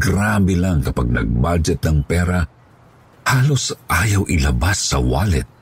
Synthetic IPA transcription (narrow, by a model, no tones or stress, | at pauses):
ɡɾaːbɛlaŋkɐpaɡ̚nɐ̰ɡ̚bad͡ʒɛt̪̚nɐŋpɛːɾɐ | haːlosʔaːjɐwʔɪlɐbasːɐwaːlɛt̪̚